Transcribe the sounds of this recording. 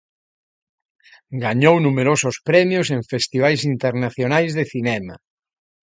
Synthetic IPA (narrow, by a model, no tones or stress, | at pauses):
ɡaɲownumeɾosʊspɾɛmjʊseɱfest̪iβ̞ajsint̪eɾnaθjonajzðeθinɛma̰